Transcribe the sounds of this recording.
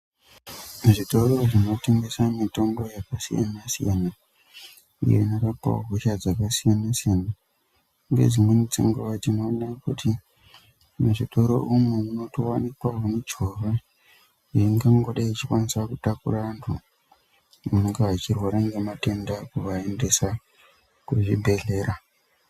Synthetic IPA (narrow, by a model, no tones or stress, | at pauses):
muʐito̞ɾo̞ʐino̞te̞ŋɡe̞samito̞mbo̞jakasija̰nasijana | ḭjo̰inorapa̰o̰ɦuʃad͡zakasijanasijana | ŋɡe̞̰d͡zimwenit͡sḭŋɡoʋat͡ʃinoːnakutʰi | muʐito̞ɾo̞̰ʔumuuno̞towanikwaoned͡ʒore | eiŋɡaŋɡoɗait͡ʃikwanisakutakṵraantʰṵ | muneŋɡeat͡ʃirwaɾaŋɡemate̞ndakuʋae̞nde̞sa | kuʐibʱe̞ɮe̞ːɾa